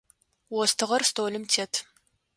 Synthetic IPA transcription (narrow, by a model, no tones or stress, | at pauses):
wɔstʰɨʁɐrstʰoːlɨmtʰeːtʰ